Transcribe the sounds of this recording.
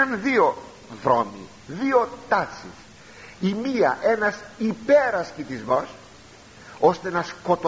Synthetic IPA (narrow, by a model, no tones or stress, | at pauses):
ɐnðio | ðɾo̞̰mḭ | ðio̞t̪ɐt͡sḭs | imiɐ̰ʔe̞nɐsipeɾɐscit̪izmo̞s | ost̪enɐskot̪o